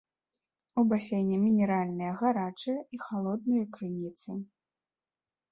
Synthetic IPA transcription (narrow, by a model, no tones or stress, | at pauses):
ubasʲejnʲɛmʲinʲɛɾalʲnɨjɐɣaɾat͡ʂɨjɐixalˠɔd̪̚nɨjɐkɾɨnʲit̪sɨ